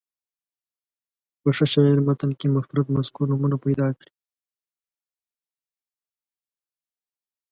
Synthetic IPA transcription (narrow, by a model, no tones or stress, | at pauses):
pəʂəʃɑiɾmat̪ankemʊfɾat̪maskuɾnumunapajd̪ɑːkɽi